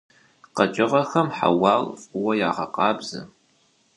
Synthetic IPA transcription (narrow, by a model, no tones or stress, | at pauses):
qɐt͡ʃʼɪʁɐxɐmħa̰wɑːlfʼwɐjaːʁɐqʼɑːbzɐ̰